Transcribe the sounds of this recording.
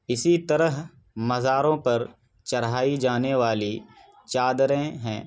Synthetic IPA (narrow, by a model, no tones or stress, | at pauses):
ɪsit̪ɐɾəɦ | mɐzaːɾõpɐɾ | t͡ʃɐɾɦaːid͡ʒaːneʋaːli | t͡ʃaːd̪ɾẽɦɛ̰̃ː